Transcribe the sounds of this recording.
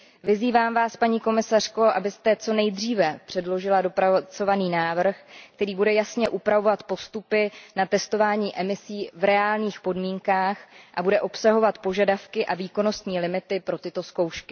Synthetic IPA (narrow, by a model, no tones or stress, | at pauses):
vɪziːvaːmvaːspaɲiːko̞mɪsar̝̥ko̞ʔa̰bɪst̪ɛt͡so̞nɛjd̪riːvɛpr̥ɛdlo̞ʒɪladopɾat͡so̞vaniːnaːvr̩xkkt̪ɛɾiːbudɛjasɲɛʔupɾavo̞vat̪po̞st̪upɪnat̪ɛst̪o̞vaːɲiːʔɛmɪsiːvɾɛaːlɲiːxpo̞dmiːŋkaːxʔabudɛʔo̞psaɦo̞vat̪po̞ʒadafkɪʔaviːko̞no̞st̪ɲiːlɪmɪt̪ɪpɾo̞t̪ɪt̪o̞sko̞wʃkɪ̥